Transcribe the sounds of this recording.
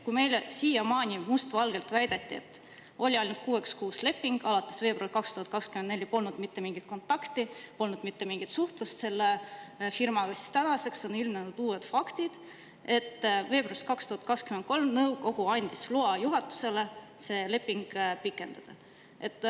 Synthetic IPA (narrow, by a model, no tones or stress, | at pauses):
kujme̞jlsiːjɑmɑːnʲimust̪vɑlɡ̥e̞lt̪væjd̪̥et̪ːie̞̰t̪ːˑ | o̞lʲiɑjnut̪̚kuːe̞kskuːsle̞pːiŋɡ̥ɑlɑt̪ːˑe̞̥sve̞ːbrɑlkɑkst̪uhɑt̪kɑkskymend̪ne̞lʲipo̞lnud̪̥mit̪ːe̞miŋɡ̥it̪̚ko̞nt̪ːˑɑkt̪ipo̞lnud̪mit̪ːe̞miŋɡ̥it̪suht̪lust̪se̞lːefirmɑɡ̥ɑsi̥st̪ænɑse̞kso̞nilmnenud̪̥uːed̪̥fɑkt̪id̪̥ | e̞t̪ːve̞ːb̥rɑrst̪kɑkst̪uhɑt̪̚kɑkskyment̪̚ko̞lmnɤwɡ̥o̞ɡ̥uɑnʲd̪̥isloɑjuɦɑt̪ːˑu̥se̞lese̞ːle̞pːiŋɡ̥pikːˑe̞nd̪̥ɑd̪̥ɑ | ʔe̞t̪ːˑ